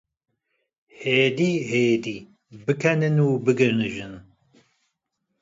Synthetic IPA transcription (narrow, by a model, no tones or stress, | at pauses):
heːd̪iːɦeːd̪iː | bɨkʰɛnɨnuːbɨɡɨnɨʒɨn